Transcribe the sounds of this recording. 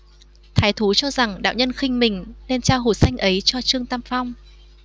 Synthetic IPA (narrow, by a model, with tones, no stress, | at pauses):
t̪ʰaː˨˦jt̪ʰu˨˦t͡ɕɔ˧za˨˩ŋɗa̰ː˧˨wɲə˧nxï˧ŋ̟mï˨˩ŋ̟nɛ˧nt͡ɕaː˧wɦo˨˩sa˧jŋ̟ʔə˨˦jt͡ɕɔ˧t͡ɕɨ˧əŋt̪a˧mfa˧wŋ͡m